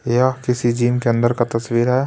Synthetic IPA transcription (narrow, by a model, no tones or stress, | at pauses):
jakɪsid͡ʒiːmkeɐ̃nd̪əɾkat̪ɐswiːɾɦɛː